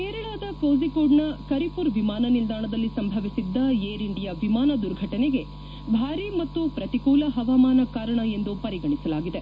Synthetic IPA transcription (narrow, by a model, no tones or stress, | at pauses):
keːɾɐɭaːd̪ɐkoːzikoːɖnɐkɐɾipuɾʋimaːnɐnild̪aːɳɐd̪ɐlːisɐmbʱɐʋisid̪ːɐeːɾiɳɖijɐʋimaːnɐd̪uɾɡʱɐʈɐneɡe̞ | bʱaːɾimɐt̪ːupɾɐt̪ikuːlɐɦɐʋaːmaːnɐkaːɾɐɳɐe̞nd̪upɐɾiɡɐɳisɐlaːɡid̪e̞